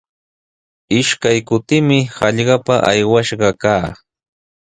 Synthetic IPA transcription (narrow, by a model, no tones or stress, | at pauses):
ɪʃkajkʊt̪ɪmɪhɑʎɢɑpaʔa̰jwaʃɢɑkaː